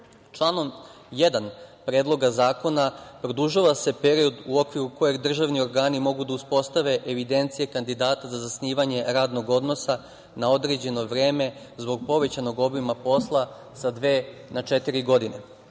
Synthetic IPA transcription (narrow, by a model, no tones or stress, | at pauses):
t͡ʃlˠaːno̞m | jed̪anpɾeːd̪lˠo̞ɡazaːko̞napɾod̪uʒaʋase̞pe̞ɾio̞d̪uo̞kʋiɾuko̞je̞ɡd̪r̩ʒaʋnio̞ɾɡaːnimo̞ɡud̪auspo̞st̪aʋe̞ʔeʋid̪e̞nt̪sije̞kand̪id̪aːt̪azazasniːʋaɲe̞ɾaːd̪no̞ɡo̞d̪no̞sa | nao̞d̪ɾe̞d͡ʑe̞no̞ʋɾe̞ːme̞ | zbo̞ɡ̚po̞ʋe̞t͡ɕano̞ɡobimapo̞slˠa | sad̪ʋeːnat͡ʃe̞t̪iɾiɡo̞d̪ine